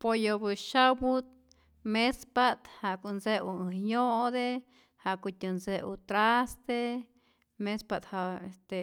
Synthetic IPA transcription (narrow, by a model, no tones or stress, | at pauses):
pojobɨʃawut̪̚ | mespat̪haʔkunseuɨjoʔd̪e | haʔkut̪ʲunseṵt̪ɾast̪e | mespat̪haest̪e